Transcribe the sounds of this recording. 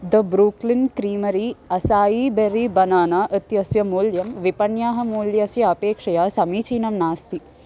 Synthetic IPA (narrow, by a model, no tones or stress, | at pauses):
d̪ɐbɾuːklinkɾiːmɐɾiːɐsaːjiːbeɾibɐnaːnaːʔɐt̪jɐsjɐmuːljɐmʋipɐɳjaːɦɐmuːljɐsjɐɐpeːkʂɐjaːsɐmiːt͡ʃiːnɐmnaːst̪i